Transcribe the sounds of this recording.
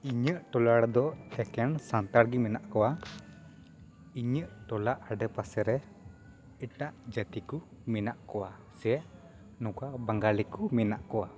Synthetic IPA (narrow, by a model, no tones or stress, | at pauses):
iɲəʔʈɔlaɽd̪ɔɛkɛnsant̪aɽɡimɛnaʔkɔwa | iɲəʔʈɔlaʔaɖəpasɛɾɛ | ɛʈaʔd͡ʒət̪iku | mɛnaʔkɔwa | sɛ | nɔ̃kabaŋɡalikumɛnaʔkɔwa